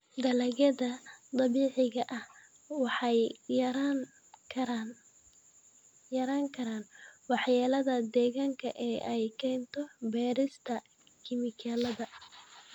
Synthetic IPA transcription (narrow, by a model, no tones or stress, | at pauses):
d̪ɐlɐɣɐðɐt̪ˤɑβiːʕɪɣɐʔɐh | wɑħɑjɾʰ | ɐ | jɐɾaːŋkʰɐɾaːnwɑħjaːlɐðɐd̪ɛːɣaːŋkʰɐʔɛːʔɛjkʰɛːnt̪ʰɔbɛːɾɪst̪ʰɐ | kʰɪmɪkʰaːlɐðɐ